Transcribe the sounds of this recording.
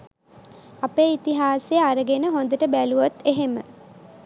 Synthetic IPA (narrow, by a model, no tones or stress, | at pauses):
apeːit̪iɦaːsejəaɾəɡenəɦond̪əʈəbæluʋot̪ːeɦemə̰